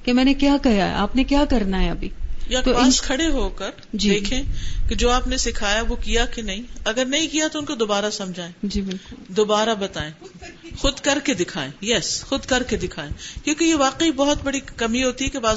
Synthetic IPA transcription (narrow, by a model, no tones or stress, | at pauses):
kemɛ̃ːnekjaːkɐjaɦɛ̰ʔaːpnekjaːkɐɾnaɦɛɐbʱiːjat̪obɪːskʰɐɽeɦoːkɐɾ | d͡ʒiːd̪eːkʰẽːked͡ʒoːaːpnesɪkʰaːjaʋokijakenɐɦĩɐɡəɾnɐɦĩkijat̪oʊnkod̪oːbaːɾasɐ̃md͡ʒʱaːẽːd͡ʒiːbɪlʊld̪oːbaːɾabɐt̪aːẽːxʊd̪kɐɾked̪ɪkʰaːẽjɛsxʊd̪kɐɾked̪ɪkʰaːẽːkjõːkejeʋaːqeibɔɦʊt̪bɐɽikɐmiɦoːt̪iɦɛkebaː